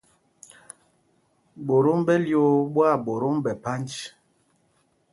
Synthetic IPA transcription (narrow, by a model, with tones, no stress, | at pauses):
bo˨ɾo˦mbɛ˦ljo˨˦bwa˦˨bo˨ɾo˦mbɛ˨pa˦nt͡ʃ